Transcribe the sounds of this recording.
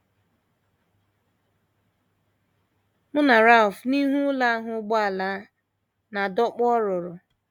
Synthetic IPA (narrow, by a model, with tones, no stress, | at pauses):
mʊ˦na˨ɾa˦˨ʊ˨fni˦ɦu˦la˦a˦ɦʊ˨˦ɡ͡ba˨la˦ | na˨dɔ˦k͡pɔ˦ɾʊ˨ɾʊ˨